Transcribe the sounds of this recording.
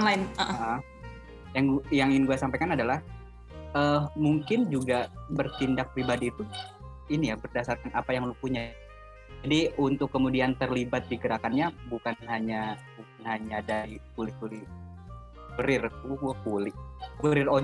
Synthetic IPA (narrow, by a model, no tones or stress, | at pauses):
laɪnəʔʔə | jaŋɡjaŋɪŋɡuasampajkanadalah | əmuŋkɪnd͡ʒuɡabərt̪indak̚pɾibadiːt̪u | inijabərdasarkanapajaŋlupuɲa | d͡ʒadiunt̪ʊkːəmudiant̪ərlibat̪̚diɡəɾakanɲabukanhaɲabuk̚anhaɲadaikulɪkulɪ | uɾɪruakulɪkəɾɪro